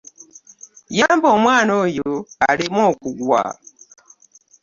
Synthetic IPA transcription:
jambɔmwanojoalimɔkuɡwa̰

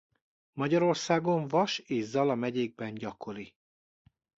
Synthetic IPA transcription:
mɒɟɒɾo̞rsaːɡo̞ɱvɒʃeːzːɒlɒmɛɟeːɡ̚bɛɲɟɒkʰo̞ɾi

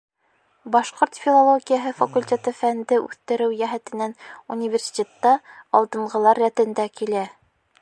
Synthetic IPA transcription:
bɑʃqoɾt̪fʲilˠolˠoɡʲijaɦɤfɐkulʲtʲe̞t̪ɤfænd̪ɘʔʉ̰θt̪ɘ̆ɾɘwjæɦæt̪ɘ̆nænunʲivʲersʲi̥tʲet̪ːɑɒlˠd̪ɤ̆ɴɢɤ̆lˠɑɾːæt̪ɘ̆nd̪ækilæ

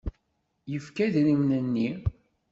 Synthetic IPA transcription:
jəfkæðnimnənːi

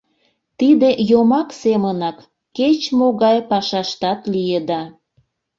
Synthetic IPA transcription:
t̪id̪ejomɑksemənɑkː | et͡ɕmoɣɑjpɑʃɑʃt̪ɑt̪lijed̪ɑ

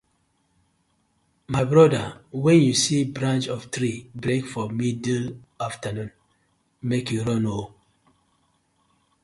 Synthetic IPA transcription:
maɪbɹɔdawɛ̃njusibɹãnt͡ʃɔftɾibɹekfɔmidlaftanũn | mekjuɹɔ̃no

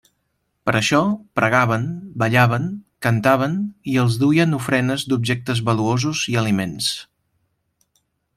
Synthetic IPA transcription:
pəɾʔəʃɔpɾʔəɣ̞aβənbəʎaβ̞əŋkənt̪aβ̞əniəlˠzðuiənufɾɛnəzd̪ubʒɛk̚t̪əzβəluozuziəlimens

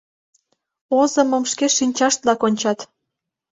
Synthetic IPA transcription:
ozə̆mə̆mʃkeʃinʲt͡ɕɑʃt̪̚lɑkonʲt͡ɕɑt̪

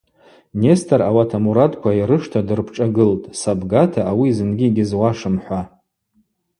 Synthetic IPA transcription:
ne̞stʰarawatʰamuɾatkʷʰaiɾɨʂtʰadɨrpʰʈ͡ʂʼaɡɨltʼsabɡatʰaːwizɨnɡʲiɡʲizwaʂɨmħʷa

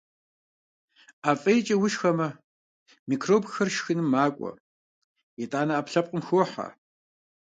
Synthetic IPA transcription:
aːfʼɐjt͡ʃʼɐwʊʃxɐmɐ | mikʰroːbxɐrʃxɨnɨmːaːkʷʼɔ̰ | jetʼaːnɐaːpɬɐp̚qʼəmxwħa̰

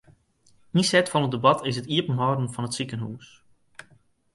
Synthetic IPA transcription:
nisɛtfɔnət̚debɑtʰɪsɦətiəpənɦɔdən̩fɔnətsikənɦṵːs

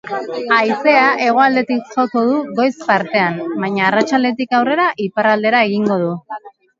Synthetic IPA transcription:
ajse̞aʔe̞ɣ̞o̞ald̪e̞t̪ikʝoko̞ð̞uɣo̞jspaɾt̪e̞ambajɲaːrat͡ʃald̪e̞t̪̬ikawre̞ɾaʔiparald̪e̞ɾae̞ɣ̞iŋɡo̞ð̞u

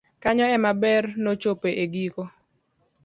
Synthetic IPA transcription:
kaɲɔɛmabɛrnot͡ʃopeʔeɡiko

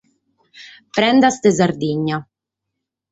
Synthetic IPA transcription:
pɾɛnd̪ast̪ezaɾd̪iɲːa

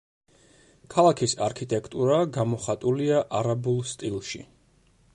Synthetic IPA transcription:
kʰalˠakʰisaɾkʰit̪ʼɛkʼʰt̪ʼuɾaɡamɔχat̪ʼuliaʔaɾabulˠst̪ʼilˠʃḭ

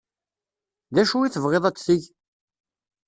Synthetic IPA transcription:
ðæʃuiθəvʁeðˤæt͡sːθiʝ

